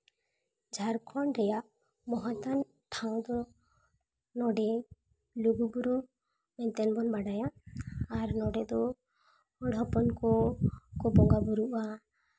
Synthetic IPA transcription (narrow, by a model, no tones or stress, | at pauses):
d͡ʒʱaɾkʰɔɳɾɛjaʔ | mɔɦɔt̪an | ʈʰaw̃d̪ɔ | nɔɖɛ | luɡubuɾu | mɛnt̪ɛnbɔnbaɽajaː | ɾnɔɖɛd̪ɔ | ɔɽʱɔpɔnkɔkɔbɔŋɡabuɾuʔa